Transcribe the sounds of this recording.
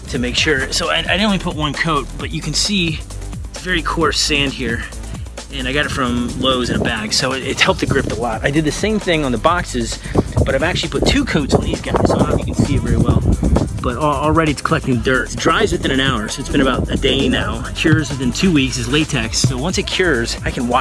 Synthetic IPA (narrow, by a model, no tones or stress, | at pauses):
tʰɨmeɪkʃʊɹsoʊaɪaɪɾɪ̃nlipʰʊt̚wʌ̃nkʰoʊt̚b̥ʌt͡ʃɨkɨ̃n̩si | svɛɹikʰɔɹsæ̃nd̚hiɹ | ɨ̃ñaɪɡɑɾɨtfɹʌ̃mloʊzɨ̃nɨbæɡ̥soʊɪɾɪt̚hɛlˠp̚tʰɨɡɹɪp̚təlɔɾaɪdɨd̪̚ðɨsẽɪ̃mθɪ̃ŋə̃nðəbɑksɨzb̥ʌɾaɪvæk̚t͡ʃʉl̩ˠipʰʊtʰʉkʰoʊtsn̩izɡɑsmjɨkn̩siɨt̚vɛɹiwɛlˠb̥ʌɾl̩ˠɹɛɾiɨtskʰəlɛk̚tɪ̃ŋdɜ˞tdɹaɪvzwɨθɪ̃ñɨ̃naʊə˞soʊɨtsb̥ɨ̃ɾ̃ɨbaʊɾɨdeɪnaʊkʰj̥ʊɹzwɨθɪ̃ntʰʉwiksɨzleɪtʰɛkssoʊwʌ̃nsɨt̚kʰj̥ʊɹzaɪkʰɨ̃nwɑ